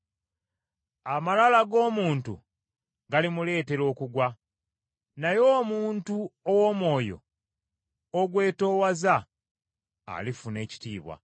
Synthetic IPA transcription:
amalalaɡo̞ːmuːntṵ | ɡalimule̞ːte̞ɾo̞ːkuɡwa | najo̞ːmuːntuowoːmwo̞ːjo̞̰ | oɡwe̞ːto̞ːwaza | lifune̞ːci̥tḭːβwa̰

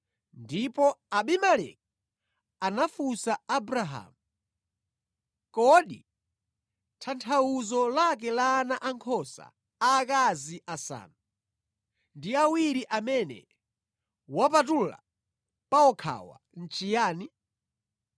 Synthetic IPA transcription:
ndipɔaɓimalɛ̰k̚ | anafusaabɾaɦa̰ːmu | kɔɗḭ | tʰantʰauzɔlak̬ɛlaːnaʔaŋkʰɔsa̰ | aːk̬aziʔasa̰ːnu | ndiawiɾiʔamɛnɛ̰ | wapatula̰ | paɔkʰa̰wa̰ | n̩t͡ʃijaːni

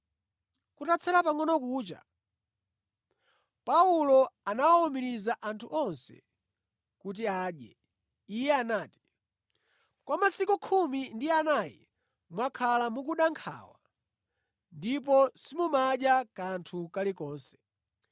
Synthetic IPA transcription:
kutat͡sʰɛɾapaŋɔnɔkuːt͡ʃa̰ | paulɔanawaɔmiɾizaʔantʰuʔɔnsɛ̰ | kut̬iaːɗjɛ̰ | ijɛanaːti̥ | kwamasikukʰumindianajɛ̰ | mwakʰalamuk̬uɗaŋkʰa̰ːwa̰ | ndip̬ɔsimumaɗjakantʰukalikɔːnsɛ̥

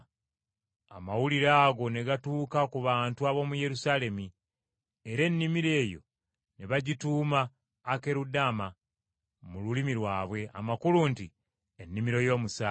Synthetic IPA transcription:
a̰mawuliɾaːɡo̞ne̞ɡatuːkakuβaːntuaβo̞muje̞ɾusale̞mi | eɾe̞nːimiɾe̞ːjo̞̰ | neβaɟituːmaː | ke̞ɾudama | mululimilwaːβwe̞a̰makulunti | e̞nːimiɾo̞jo̞ːmusa

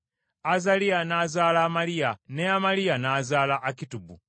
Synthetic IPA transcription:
azalianazaːlaːmalijaneamalijanaːzaːlaʔːkitubu

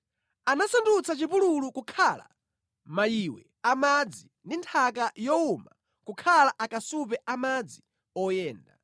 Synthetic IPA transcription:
anasandut͡sat͡ʃipululukukʰala̰ | majiwɛ | amad͡zi | ndintʰakajɔuma | kukʰalaʔakasupɛʔamad͡zi | ɔjɛːnda̰

